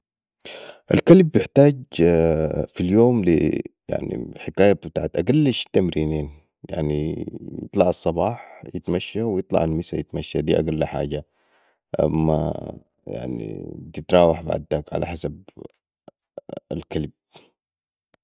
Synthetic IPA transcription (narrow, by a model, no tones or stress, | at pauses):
ʔa̰lkalbːjɪħt̪aːɟ | filjoːmlḭja̰ʕnḭħɪkaːjabɪt̪aːʕat̪ʔaɡalːaʃt̪amɾiːniːn | ja̰ʕnijɨ̰t̪ˤlɑʕɑsˤːɑbɑːħjɪt̪maʃːawjɨt̪ˤlɑ̰ʕalmɪsajɪt̪maʃːad̪iːʔaɡalːaħa̰ːɟa | ʔa̰mːa̰ | ja̰ʕnḭt̪ɪt̪ɾˤɑːwɑħba̰ʕd̪akʕa̰laħasab̚ | a̰lkalb̚